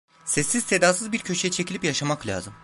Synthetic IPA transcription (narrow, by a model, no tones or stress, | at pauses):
sɛsːizse̞d̪aːsɯzbiɾcʰø̞t͡ʃʰjɛt͡ʃʰe̞cʰilʲipjaʃamaklʲa̰ːzɯm